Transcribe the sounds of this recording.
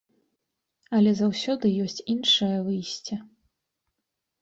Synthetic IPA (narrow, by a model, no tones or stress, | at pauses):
ɐlʲɛzawsʲɔd̪ɨjɔsʲt͡sʲinʂɐjɐvɨjsʲt͡sʲɐ